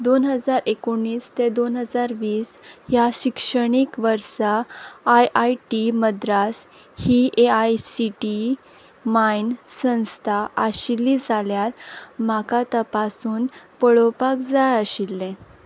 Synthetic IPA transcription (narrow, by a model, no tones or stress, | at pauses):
d̪onɦəd͡zaɾekoɳːiːst̪ed̪onɦəd͡zaɾʋiːsɦjaɕikʂəɽ̃ikʋəɾsaːjʔajʈiməd̪ɾas | hiʔeajsiʈi | mainsə̃w̃st̪ʰaʔəɕilːid͡zʱaljaɾmakat̪əpasuːnpəɭopakd͡zajəɕilːẽ